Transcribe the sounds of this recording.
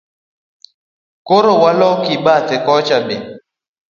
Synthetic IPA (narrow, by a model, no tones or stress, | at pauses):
koɾowalɔkiɓatekɔt͡ʃabe